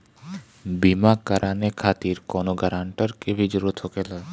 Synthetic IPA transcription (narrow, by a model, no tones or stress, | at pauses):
bimakəɾʔaːnekʰaːt̪iːɾkɔːnoɡəɾãːɳʈəɾkeʋʱid͡ʒəɾut̪ʰokeːla